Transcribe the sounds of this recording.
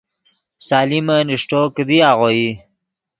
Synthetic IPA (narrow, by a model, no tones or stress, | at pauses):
saːliməniʂʈokəd̪iaʁoi